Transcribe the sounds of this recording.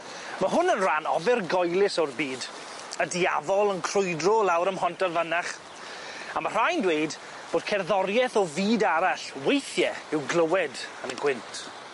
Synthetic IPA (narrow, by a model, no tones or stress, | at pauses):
maɦʊnənranɔ̰vɪrɡɔjlˠɪsɔrbiːd | ədia̰vɔlˠənkʰrʊjdrɔlˠawɾəmɦɔntɔrvənaχ | amar̥ajndwejd | b̥oːd̥̚kʰɛrðɔɾjɛθɔviːdaɾaɬwejθjɛɪwɡlˠəwɛdənəɡwɪntʰ